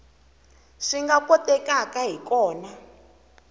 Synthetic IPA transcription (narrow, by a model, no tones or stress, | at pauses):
ʂiŋɡakɔtɛkakaɦikɔːna